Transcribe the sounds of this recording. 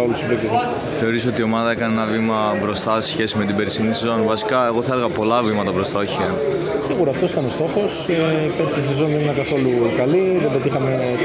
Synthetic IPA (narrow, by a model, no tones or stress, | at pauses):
olusibik̪evɐ | θe̞o̞ɾiso̞t̪io̞mɐðɐekɐneenɐvimɐbɾo̞st̪ɐsesçe̞sime̞t̪ibeɾisinisezo̞nvɐsi̥kɐe̞ɣo̞θɐeɾɣɐpo̞lɐvimɐt̪ɐbɾo̞st̪ɐoçi | siɣuɾoɐft̪o̞si̥t̪ɐno̞st̪o̞xo̞sebeɾisiis̬e̞zo̞nðe̞ninɐkɐθo̞lukɐliðebɾot̪ixɐme